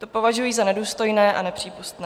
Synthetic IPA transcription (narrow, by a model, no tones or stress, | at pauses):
t̪o̞po̞vaʒujiːzanɛduːst̪o̞jnɛːʔanɛpr̝̥iːpust̪nɛː